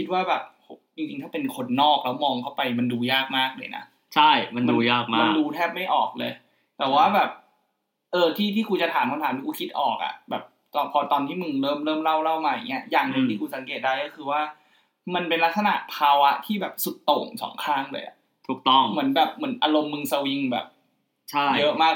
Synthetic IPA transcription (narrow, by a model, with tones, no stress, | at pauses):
kʰi˦t̪̚waː˥˩bɛː˨˩p̚ho˦t͡ɕi˧ŋt͡ɕi˧ŋt̪ʰaː˥˩pe˧nkʰo˧nːɔː˥˩k̚lɛː˦˥wmɔː˧ŋkʰa˥˩wpa˧jma˧nduː˧jaː˥˩k̚maː˥˩k̚lɤː˧jna̰˦˥ | t͡ɕʰa˥˩jma˧nmaː˧jaː˥˩k̚ma˦ma˥˧˩nduː˧t̪ʰɛː˥˩p̚ma˥˩jʔɔː˨˩k̚lɤː˧j | t̪ɛː˨˩waː˥˩bɛː˨˩p̚ | ʔɤː˧t̪ʰiː˥˩t̪ʰiː˥˩kʰu˧t͡ɕa˨t̪ʰaː˩˦mkʰa˧nt̪ʰaː˨˦nʰi˥˩ku˧kʰi˦˥t̪̚ʔɔ̰ː˨˩k̚ʔa̰˨˩bɛ̰ː˨˩p̚ | t̪ɔ˧pʰɔː˧t̪ɔː˧nt̪iː˥˩mɯ˧ŋɾɤː˥˩mɾɤː˥˩mɾa˥˩wɾa˥˩wmaː˧ja̰˨˩ŋːi˦˥ɐjaː˨˩ŋnɯ˧t̪ʰiː˥˩kuː˧˩sa˩˦ŋkeː˨˩t̪̚daː˥˩jkɔː˥˩ɯː˧waː˥˩ | ma˧npe˧nla˦˥k̪̚sa˧na̰˨˩ʔpʰaː˧wa˦˥t̪ʰiː˥˩bɛː˨˩p̚su˨˩t̪ːo˨˩ŋsɔ̰ː˩˦ŋkʰaː˥˩ŋlɤ̰ː˧jʔa̰˩ʔ | t̪ʰuː˨˩k̚t̪ɔ˥˩ŋmɯ˩˦ənbɛː˨˩p̚mɯ˩˦nʔaː˧lo˧mːɯ˧ŋsa˧wi˧ŋbɛ̰ː˨˩p̚ | t͡ɕʰa˥˩jjɤ˦˥ʔmaː˥˩k̚